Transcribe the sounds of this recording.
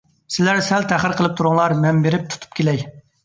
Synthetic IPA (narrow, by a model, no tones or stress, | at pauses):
sɪlæɾsɛlt̪ʰæχəɾqʰəlˠɨp̚t̪ʰuɾʊŋlˠɑɾmɛmbeɾɪp̚t̪ʰu̥t̪ʰu̥p̚kʲʰelɛj